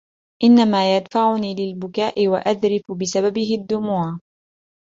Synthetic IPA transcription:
ʔɪnːamaːjad̪faʕʊniːlɪlbʊkaːʔɪwaʔaðɾɪfʊbɪsababɪɦɪd̪ːʊmuːʕ

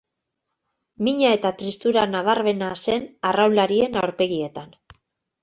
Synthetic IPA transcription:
miɲae̞t̪at̪ɾist̪uɾanaβaɾβe̞nase̞narawlaɾie̞nawɾpe̞ɣie̞t̪an

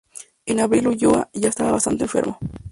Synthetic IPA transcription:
enaβɾiluʝoa̰ʝaest̪aβaβast̪a̰nt̪eɱfḛɾmo

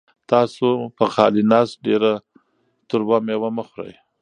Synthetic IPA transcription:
t̪ɑsopəxɑ̰linɑst̪̚ɖeɾa | t̪ʊɾbamewaməxɾa̰j

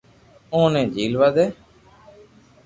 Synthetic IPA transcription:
õːnẽːd͡ʒiːlʋaːd̪eː

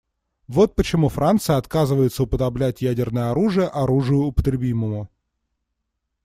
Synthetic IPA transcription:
vo̞t̪̚pət͡ɕɪmufɾʔant̪sɨjəɐt̪kazɨvəjɪt̪səʊpəd̪ɐblʲætʲjædʲɪrnəjəɐɾuʐɨjəʔɐɾuʐɨjʊːpət̪ɾʲɪbʲiməmʊ

